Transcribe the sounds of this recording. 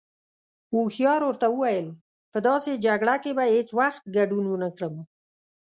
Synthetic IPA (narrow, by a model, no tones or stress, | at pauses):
uxjɑɾoɾt̪awəwajəl | pəd̪ɑsed͡ʒaɡɽakebahet͡swaxt̪̚ɡaɖunwənəkɽəm